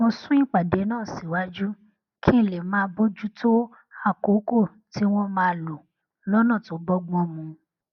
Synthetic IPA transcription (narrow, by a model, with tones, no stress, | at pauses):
wõ˧sũ˦i˦k͡pa˨de˨˦nãː˦˨si˨wa˦d͡ʒu˦ | kʰi˦˨le˨mãː˨˦bo˦d͡ʒu˦to˦ | a˦˨ko˨˦ko˦˨ | ti˦w̃ɔ̃˦mãː˨˦˧lo˨ | lɔ˦nã˦˨to˨˦bɔ˦ɡ͡bɔ̃˦mũ˧